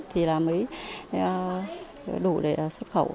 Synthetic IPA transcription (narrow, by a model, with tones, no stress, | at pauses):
t̪ʰi˨˩laː˨˩mə˨˦j | ɗu˧˩ɗḛ˧˩ʔswə˦˥t̚xə˧˩w